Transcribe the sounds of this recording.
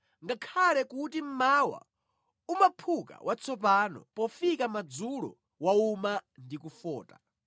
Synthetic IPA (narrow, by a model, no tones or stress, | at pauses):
ŋɡakʰalɛkutim̩mawa̰ | umapʰuka̰wʔat͡sʰɔpanɔ̰pɔfikamad͡zuɺɔ̰ | waumandikufɔːta̰